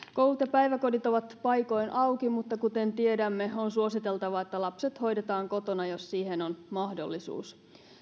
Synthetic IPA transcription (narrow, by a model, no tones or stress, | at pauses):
ko̞wlut̪jɑpæjʋæko̞dit̪o̞ʋɑt̪pɑjko̞jnʔɑwkimut̪ːɑkut̪ent̪ie̞dæmːe̞o̞nsuo̞sit̪e̞lt̪ɑʋɑet̪ːælɑpset̪ho̞jde̞t̪ɑːŋko̞t̪o̞nɑjossiːhenonmɑhdo̰lːisṵːs